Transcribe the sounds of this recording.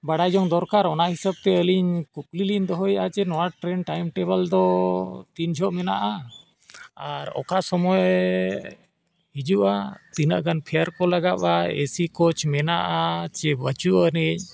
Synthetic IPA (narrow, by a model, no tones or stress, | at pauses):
baɽajd͡ʒɔŋd̪ɔɾkaɾɔnaɦisab̚t̪ɛəliɲkuk̚liliɲd̪ɔɦɔjat͡ʃɛnɔaʈɾɛnʈajmʈɛbəld̪ɔt̪iɲd͡ʒʱɔʔmɛna̰ʔa | aɾɔ̰kasɔmɔj | ɦid͡ʒuʔat̪inəʔɡanpʰɛjaɾkɔlaɡaʔaḛsikot͡ʃmɛnaʔat͡ʃɛbət͡ʃuʔənɛc̚